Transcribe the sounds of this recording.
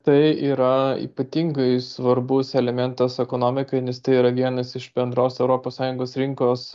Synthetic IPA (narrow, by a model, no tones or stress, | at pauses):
t̪ɐɪiːɾɐḭːpɐt̪ʲiːŋɡɐɪsʋɐɾbʊsɛlʲɛmʲɛnt̪ɐsɛkoːnoːmʲɪkɐɪnʲɛst̪ɐɪiːɾɐʋʲiɛnɐsɪʃbʲɛnd̪ɾoːsɛʊɾoːpoːssɑːjʊŋɡoːsɾʲɪŋkoːs